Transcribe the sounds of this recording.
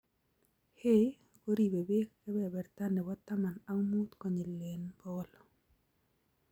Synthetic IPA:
he˦ | ko˦ɾi˨be˨be˦kkɛ˦bɛ˦˨bɛ˨ɾt̪a˦nɛ˨bɔ˦t̪ːa˦ma˨na˦mu˦t̪kɔ˨ɲe˨lːe˨nbɔ˦lɔ

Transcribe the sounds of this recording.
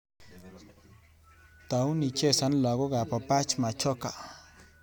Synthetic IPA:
t̪a˨u˦ni˧t͡ʃe˦sa˦nla˨ɣo˦ɣa˨pa˨pa˦t͡ʃma˨t͡ʃo˦ka̰˨

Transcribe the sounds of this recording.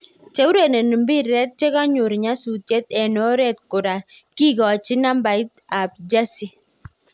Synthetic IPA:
t͡ʃe˨˦u˦ɾe˨ne˨ni˨mbi˦ɛ˦t̚t͡ʃe˦ka˦ɲo˨ɾɲa˦su˨tjɛ˦t̪ɛ˨nɔ˨˦ɾɛ˦t̪̚kʊ˨da˨ki˦˨ɡɔ˨t͡ʃi˦na˦mba˨ɪ˦ta˨b̚d͡ʒa˦si˦

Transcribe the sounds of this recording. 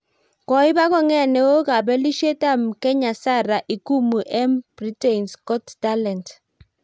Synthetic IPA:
kɔ˨ɪ˦ba˦kɔ˦˨ŋɛ˦˨nɛ˨o˦ka˨bɛ˦li˦ʃe˦ta˦˨mkɛ˦ɲa˨sa˦˨ɾa˨ʔi˨ku˦mu˨ʔɛ˦mb̥ɾi˦te˨nskɔ˦tta˦lɛ˨nt

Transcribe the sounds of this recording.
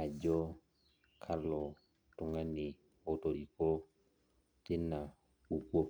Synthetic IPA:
a˨d͡ʒɔ˦ | kʰa˦lɔ˨ | tʊ˨ŋa˦ni˨ | o˨to˨ɾi˨ko˦ | tɪ˦nːa˨ | u˨kwo˦p

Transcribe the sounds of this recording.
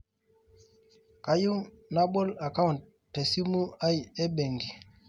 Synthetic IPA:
ka˨ju˦ | na˦ɓɔ˦la˨ka˦wn | tːɛ˨si˦mu˦a˦˨ɛ˦ɓɛ˨ŋɡi˨

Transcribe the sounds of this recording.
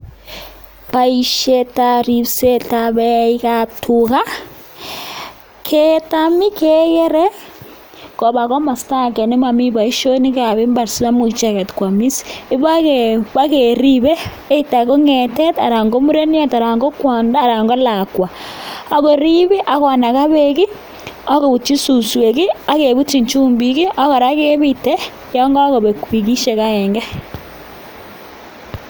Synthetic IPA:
βa˨iʃe˦taɾi˨βse˦taβe˦i˦ɣatʰuɣa˦ | kʰetami˦ke˦ɣe˦ɾe˦ | ko˨βa˨ɣo˦ma˨sta˦ke˨ne˦ma˨mi˦βa˨i˦ʃo˦ni˦ka˨βe˦mba˨ɾsi˦βa˦mu˨t͡ʃa˦ɣɛ˨tkwa˨mi˦si̥i˦βa˦ɣeβa˦ɣeɾi˦βeː˦ | i˦ta˨ɣo˦ŋe˨te˦ta˨ɾa˨ŋɡo˦mu˦ɾe˦ni˦a˦ta˨ɾa˨ŋɡo˦kwa˨nda˦˨ɾa˨ŋɡo˦la˨kwa˨a˨ɣo˨ɾi˦βi˦ʔa˨˦ɣɔ˨na˨ɣa˦βe˦ki˦ | a˦ɣo˨βu˨t͡ʃi˦su˨swe˨ki˦a˦ke˨βu˦t͡ʃi˨ɲt͡ʃuː˦mbi˨ki˦a˦ɣa˨ɾa˦ke˦βi˦te˦ | ja˦ŋɡa˦ɣo˨βe˨kwi˨ki˦ʃe˨ɣa˦e˨ŋɡɛ˦

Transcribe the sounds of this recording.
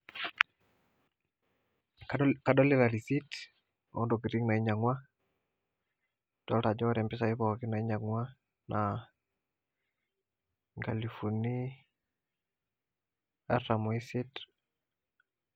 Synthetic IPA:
ka˨dɔ˦li˦ɾa˨ɾi˨si˦t | ɔ̰˦ndɔ˨ki˨ɾi˦ŋna˨i˦ɲa˨ŋwa˦ | d̥ɔ˦lta˨d͡ʒɔ˦ɾɛ˨mpɪ˦sa˨i˦pɔaki˦na˨i˦ɲa˨ŋwa˦ | nʔa | ŋɡa˨li˨fu˨ni˦ | a˦ta˨mɔ˨isit

